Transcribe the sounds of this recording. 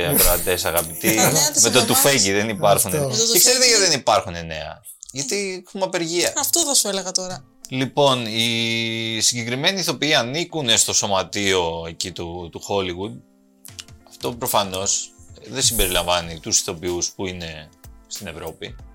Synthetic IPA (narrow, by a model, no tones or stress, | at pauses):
ɐvɾoɐt̪e̞sɐɣɐpit̪imet̪ot̪ufeciðenipɐɾxuneekse̞ɾet̪eʝɐiðenipɐɾxune̞ne̞̰ɐ̰ | ʝɐt̪ixumɐpe̞ɾʝiɐɐft̪oθɐsueleɣɐt̪oɾɐ | lipo̞ni | siɲɟe̞kɾime̞niːθo̞piiɐnikune̞st̪o̞so̞mɐt̪io̞e̞cit̪ut̪uxo̞liɣud̪̚ | ɐft̪o̞pɾo̞fɐno̞sðe̞simbe̞ɾilɐɱvɐnit̪usi̥θo̞piuspuine̞st̪ine̞vɾo̞pi